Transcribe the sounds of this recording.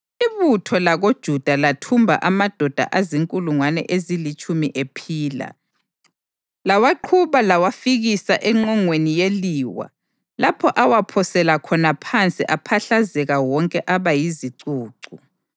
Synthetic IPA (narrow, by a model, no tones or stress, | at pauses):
iβutʰɔlaɣod̥ʒ̥ʱud̥ʱalatʰumbʱa̰ʔamad̥ʱɔd̥ʱa̰ʔaziŋkʼuluŋwanɛ̰ʔezilit͡ʃʼumiʔepʰiːla̰ | lawaǃʰuβalawafiɣisaʔɛŋ͡ǃɔŋwenijeliːwa̰ | lapʰɔʔawapʰɔsɛlakʰɔnapʰant͡sʼiʔapʰaɬazɛɣawɔŋkʼɛʔaβajiziǀuːǀu